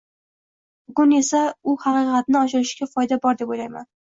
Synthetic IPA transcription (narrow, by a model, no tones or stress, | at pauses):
bʊɡʊne̞saʊhɑqɨqɑt̪nɪɒʃɪɾɪʃɡʲafɒjd̪abɒɾd̪e̞pojlajma̰n